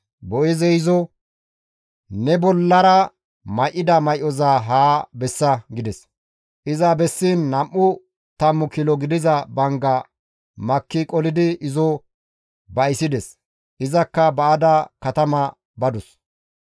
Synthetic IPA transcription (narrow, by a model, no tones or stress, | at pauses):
bɔʔɪzɛjzɔ | nɛbɔlːɐɾɐ | mɐjʔːɪd̪ɐmɐjʔɔzaːɦaːbɛsːɐɡɪd̪ɛs | ʔɪzɐbɛsːinːɐmʔːʊ | t̪ɐmːʊkɪlɔɡɪd̪ɪzɐbɐŋɡɐ | mɐkːɪkʼɔlɪd̪ɪʔɪzɔ | bɐjsɪd̪ɛs | ʔɪzɐkːɐbɐːd̪ɐkɐt̪ɐmɐ | bɐd̪ɔs